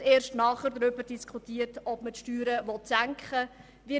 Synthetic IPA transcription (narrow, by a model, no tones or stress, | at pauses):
eːɾʃtnɑːχəɾdɾʏbəɾdiskʰχutiːəɾtɔbmətʃtyːɾəvɔtsæŋkχə | vi